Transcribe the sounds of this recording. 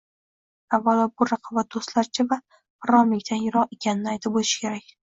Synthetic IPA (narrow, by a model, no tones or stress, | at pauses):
avːalɒbʊɾɑqʰɒbat̪̚d̪ost̪laɾt͡ʃʰɪva | pɾɒmɪkʲt̪ʰanjʊɾɒqe̞kʲʰanɪnɪajt̪ʰɪp̚olɪʃkʲʰe̞ɾakʲ